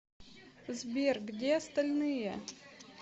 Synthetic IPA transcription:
zbʲerɡdʲeɐst̪ɐlʲnɨje

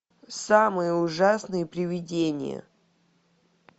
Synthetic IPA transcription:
samɨjəʊʐasnɨjəpɾʲɪvʲɪdʲenʲɪ̰jə̰

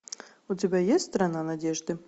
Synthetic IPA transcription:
ʊtʲɪbʲajetʲst̪ɾɐnanɐdʲeʐd̪ɨ

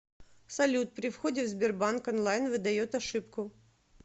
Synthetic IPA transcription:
sɐlʲut̪̚pɾʲɪfxo̞dʲɪt̪vzbʲɪrbankɐnlˠajnvɨd̪ɐjo̞t̪ɐʂɨpkʊ

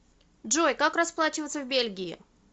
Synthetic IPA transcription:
dʐojkakrɐsplˠat͡ɕɪvət̪səvʲbʲelʲɡʲɪjɪ̰

